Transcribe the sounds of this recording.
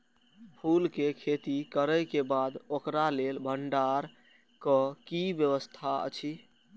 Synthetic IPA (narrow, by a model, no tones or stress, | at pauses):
pʰulkekʰet̪ikəɾəjkebad̪okɾalelbʱəɳɖaɾ | kəkibjəʋəst̪ʰaə̰t͡ʃʰi